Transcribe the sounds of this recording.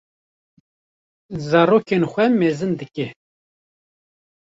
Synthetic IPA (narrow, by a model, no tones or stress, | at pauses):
zɑːɾoːkenxʷɛmeːzɨnd̪ɨkɛ